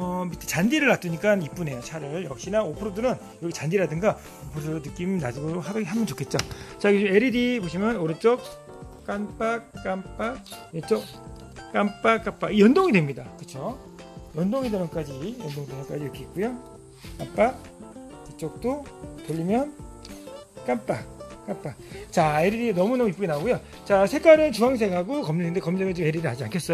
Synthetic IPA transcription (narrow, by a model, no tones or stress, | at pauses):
ʌbitʰet͡ɕandiɾɯɭːat͈ɯɲik͈anip͈une̞jot͡ɕʰaɾɯɭjʌk̚ɕ͈inaopʰɯɾodɯnɯn | jʌɡit͡ɕandiɾadɯŋɡa | opʰɯɾodoɾonɯk͈iminadɯɡoɦaɦambʌnt͡ɕokʰe̞t̚t͡ɕ͈ot͡ɕaɡome̞ɾidiboɕʰimjʌnoɾɯt͡ɕ͈ʌk̚ | k͈anp͈ak̚k͈anp͈ak̚et͡ɕ͈ok̚ | k͈amp͈ak͈ap͈aɡijʌndoŋidwe̞mɲidakɯt͡ɕʰo | jʌndoŋideɾʌk͈ad͡ʑijʌndoŋidenʌnk͈ad͡ʑiɯk͈ʰit̚k͈ujo | k͈ap͈a | pit͡ɕ͈ok̚t͈otoʎːimjʌn | k͈anp͈ak͈anp͈at͡ɕae̞ɾidinʌmunʌmuip͈uɡinaɡujo | t͡ɕasʰe̞k͈aɾɯnt͡ɕuɦaŋsʰeɡɦaɡokʌmeɯndekʌmd͡ʑʌɡet͡ɕome̞ɾidiad͡ʑia̰nkʰe̞s͈ʌo